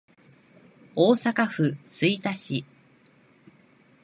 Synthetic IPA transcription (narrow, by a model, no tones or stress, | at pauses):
oːsakaɸɯ̟sɨit̪aɕi